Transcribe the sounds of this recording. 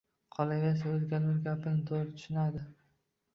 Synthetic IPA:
qʰɒlˠajʲas̬aozɡʲanɪɾɡʲapʰɪnɪt̪ʰoɾɪt̪ʰʊ̥ʃɪnad̪ɪ

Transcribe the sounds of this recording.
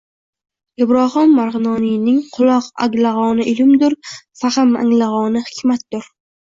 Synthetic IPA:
ɪbɾɒhɑmːaɾʁɨnɒːnijnɪŋqʰʊlˠɒqa̰ɡʲlaʁɒnɪʔɪlɪmd̪ʊɾfahɪma̰ŋlaʁɒnɪhɪ̥kʲʰmat̪̚d̪̥ʊɾ

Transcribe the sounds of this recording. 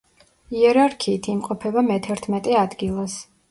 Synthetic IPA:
iɛɾaɾkʰiːt̪ʰimqʼɔpʰɛbamɛt̪ʰɛɾt̪ʰmɛt̪ʼɛad̪ɡilˠas

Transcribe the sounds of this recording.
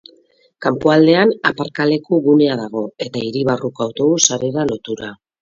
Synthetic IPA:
kampoald̪e̞anapaɾkale̞kuɣuneaðaɣ̞o̞e̞t̪aiɾiβarukawt̪o̞ɣusaɾe̞ɾalo̞t̪uɾa

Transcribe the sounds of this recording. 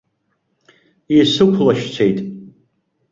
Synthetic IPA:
isɨkʷʰlaʃt͡sʷʰejtʼ

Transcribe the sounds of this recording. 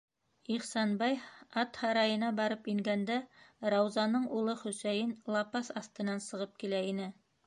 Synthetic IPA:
iχsɑnbɑjɑt̪hɑɾɑjɤ̆nɑbɑɾɤpiŋɡænd̪æɾɑwzɑnɤɴulˠɤχɵ̆sæjɘnlˠɑpɑsɑθt̪ɤ̆nɑnsɤ̆ʁɤp̚kilæinɘ

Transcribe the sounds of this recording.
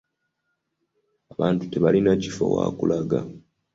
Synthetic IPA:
aβaːntu̥te̞βalinacifo̰wa̰kulaɡa

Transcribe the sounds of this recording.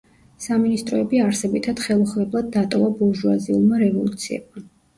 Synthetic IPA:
saminist̪ʼɾɔɛbiaɾsɛbit̪ʰad̪̥χɛlˠɔχvɛblˠad̪̚ːat̪ʼɔvabuʒuaziulˠmaɾɛvɔlˠut̪sʰiɛ̰b̚ma

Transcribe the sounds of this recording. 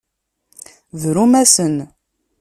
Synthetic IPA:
ðɾumæsən

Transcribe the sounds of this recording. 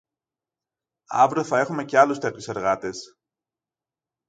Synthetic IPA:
ɐ̰vɾoθɐe̞xume̞ce̞ɐlust̪eɐt̪çuse̞ɾɣɐt̪e̞s

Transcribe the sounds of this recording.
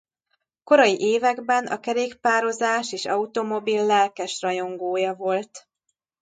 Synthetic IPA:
ko̞ɾɒjiʔeːvɛɡbɛnɒ̰kɛɾeːkpaːɾo̞zaːʃeːʃɒut̪o̞mo̞bilːɛlkɛʃrɒjo̞ŋɡoːjɒvo̞lt̪

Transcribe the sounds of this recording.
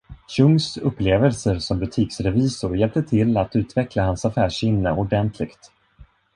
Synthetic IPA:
ɕɵŋsɵpːleːvəlsəɾsɔmbɵt̪ʰiːksɾɛviːsʊɾjɛlp̚t̪ət̪ʰɪlːat̪ʉ̟ːt̪vɛklahansafæːʂɪmnəʔɔɖɛnt̪ʰlɪɡt̪

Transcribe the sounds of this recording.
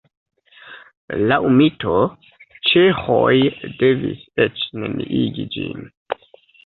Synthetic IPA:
lawmito̞ | t͡ʃexo̞jde̞vḭset͡ʃneniʔiɡid͡ʒin

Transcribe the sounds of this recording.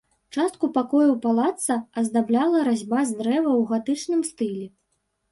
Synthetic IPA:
t͡ʂast̪̚kupakɔjuwpalˠat̪sɐɐzd̪ablʲalˠɐɾazʲbazd̪ɾɛvɐwɣat̪ɨt͡ʂnɨmst̪ɨlʲɛ

